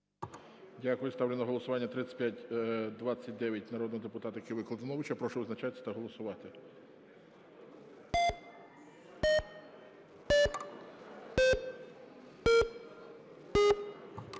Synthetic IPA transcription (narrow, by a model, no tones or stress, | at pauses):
dʲakʊjʊst̪ɑwlʲɪnɔɦɔlˠɔsʊʋɑnʲːɐt̪ɾɪt͡sʲə̥pʲjatʲd̪ʋɑt͡sʲːɐt̚ʲd̪ɛʋʲjɐtʲnɐɾɔd̪nɔɦɔd̪epʊt̪ɑt̪ɐjkɪʋɪklˠɐd̪ɪnɔʋɪt͡ʃɐpɾɔʃʊɔznɐt͡ʃasʲɐ̥t̪ɐɦɔlˠɔsʊʋɑt̪ɪ